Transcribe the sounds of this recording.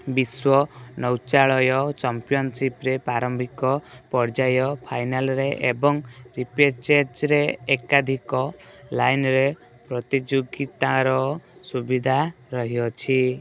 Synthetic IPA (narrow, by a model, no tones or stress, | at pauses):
biswɔnɔwt͡ʃaɭɔjɔt͡ʃampijɔnsipɾepɾaɾɔmbʱikɔpɔɾd͡ʒajɔpʰajnalɾeʔebɔŋɾipeɾt͡ʃeɾd͡ʒɾeekad̪ʱikɔlajnɾe | pɾɔt̪id͡ʒoɡit̪aɾɔsubid̪ʱa | ɾɔɦiɔt͡ʃʰi